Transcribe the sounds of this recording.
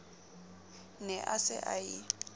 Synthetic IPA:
nɛʔasɪ̰ʔai

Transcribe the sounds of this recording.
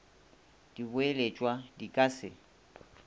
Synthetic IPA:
d̥ibʊelet͡ʃʼwadikʼasɪ̰

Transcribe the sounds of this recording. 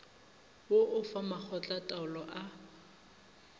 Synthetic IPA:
woʔʊfamak͡xʰɔt͡ɬʼatʼaʊlɔʔa

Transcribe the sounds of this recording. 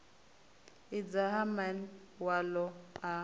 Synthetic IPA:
ɪd͡zaɦaman | walɔa

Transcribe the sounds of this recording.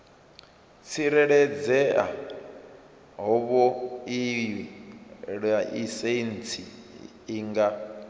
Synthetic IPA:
t͡sʰiɾɛɺɛd͡zɛa̰ | ɦɔβɔiiɺaʔisent͡sʰiː | ŋɡa

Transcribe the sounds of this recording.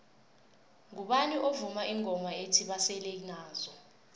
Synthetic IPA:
ŋuɓaniʔovumaʔiŋɔmaetʰiɓasɛleinaːzɔ

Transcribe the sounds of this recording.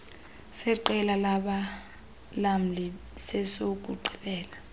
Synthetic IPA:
sɛǃɛlalaɓa | lam̩li | sɛsok̬ʼuǃʱiɓɛːla

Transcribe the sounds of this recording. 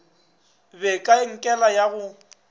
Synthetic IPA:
bɛkʼaɪŋ̩kʼɛlajaɣʊ

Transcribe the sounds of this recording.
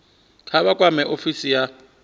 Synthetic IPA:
kʰaβakʼwamɛʔofisija

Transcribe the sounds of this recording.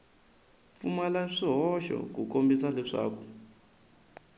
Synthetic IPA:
fumalaʂiɦɔʃɔ̰k̬ukombisalɛʂa̰ːkʰɔ̥

